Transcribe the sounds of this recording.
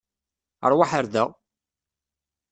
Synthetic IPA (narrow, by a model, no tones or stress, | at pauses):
ə̰ɾˤwaħəɾðæ